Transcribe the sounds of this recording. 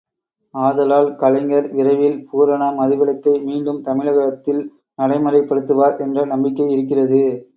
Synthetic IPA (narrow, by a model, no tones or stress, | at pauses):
aːðɐlaːlkɐlɐɪŋɡɐɾʋɪɾɐɪʋɪlpuːɾɐɳɐmɐðɪʋɐɭɐkːɐɪmiːɳɖɯmt̪ɐmɪɭɐɣɐɽɐt̪ːɪl | nɐɽɐɪmɐɾɐɪpːɐɽɯt̪ːɯʋaːɾʔɛndrɐnɐmbɪkːɐɪɪɾɯk̬ːɪrɐðɯ